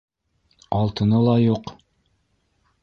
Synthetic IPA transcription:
ɑlˠt̪ɤ̆nɤlˠɑjuq

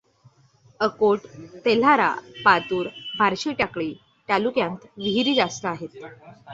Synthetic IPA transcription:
əkoʈt̪el̤aɾa̰pat̪uːɾbʱaɾɕiʈakɭiː | ʈalukjãnt̪ʋiɦiɾiːd͡zast̪əaɦet̪

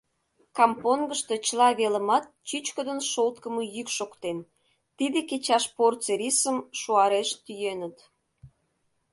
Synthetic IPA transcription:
kɑmponɡəʃt̪e̽t͡ɕəlɑβeləmɑt̪̚t͡ɕyt͡ɕkəd̪ənʃolt̪kəməjykʃokt̪en | t̪id̪eket͡ɕɑʃport͡seɾisəmʃuɑɾeʃt̪yjenət̪

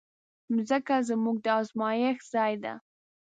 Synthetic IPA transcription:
mzəkazəmuɡ̚d̪əɑzmɑjəxzɑjd̪a̰

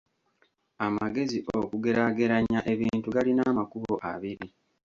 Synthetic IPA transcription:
amaɡe̞ziʔokuɡe̞ɾaɡe̞ɾaɲaʔe̞βiːntuɡalinaːmakuhoʔa̰βiɾi

